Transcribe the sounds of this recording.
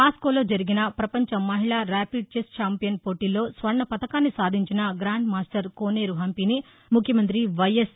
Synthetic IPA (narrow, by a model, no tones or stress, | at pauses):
paːskoːlo̞ːd͡ʒɐɾiɡinɐpɾɐpɐɲt͡ʃɐmːɐɦiɭaːɾaːpiɖ̚t͡ʃest͡ʃaːmpijɐnpoːʈiːlo̞ːsʋɐɾɳɐpɐt̪ɐkaːnːisaːd̪ʱiɲt͡ʃinɐɡɾaːɳɖmaːsʈɐɾkoːneːɾuɦɐmpini | mukʰjɐmɐnt̪̬ɾiʋɐjes